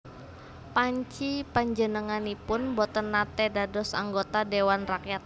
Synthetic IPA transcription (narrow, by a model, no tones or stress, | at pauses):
paɲt͡ʃipaɲd͡ʒənəŋanipʊnbɔt̪ənːat̪edadɔsa̰ŋɡot̪adewanrakjat̪̚